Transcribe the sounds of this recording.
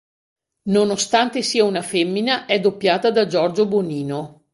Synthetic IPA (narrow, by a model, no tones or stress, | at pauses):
nonost̪ant̪esiːaunafemːinaʔɛd̪opːjaːt̪ad̪ad͡ʒɔrd͡ʒoboniːno